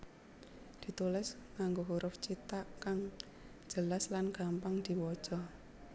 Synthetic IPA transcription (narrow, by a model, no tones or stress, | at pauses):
d̪̥i̤t̪ulɪsŋaŋɡoɦuɾʔʊft͡ʃit̪aʔkaŋ̥ | d͡ʒ̥əlaslanɡ̥a̤mpaŋd̪̥i̤wɔd̥ʒ̥ɔ